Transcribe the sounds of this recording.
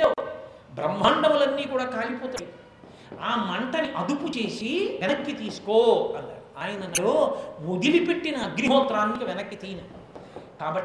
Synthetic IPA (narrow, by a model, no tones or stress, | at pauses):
aː | bɾɐmːɐːɳɖɐmulɐnːiːkuːɽaːkaːlipɔːt̪ɐː | aːmɐɳʈɐniʔɐd̪uput͡ʃe̞ːsiʋɛnɐkːit̪iːsu̥koːɐlːa̰ːaːjɐnɐnɐɽoːʋod̪ilipe̞ʈːinɐɐɡɾiɦɔːt̪ɾaːnːikɐʋɛnɐkːit̪iːnɐ | kaːbɐʈː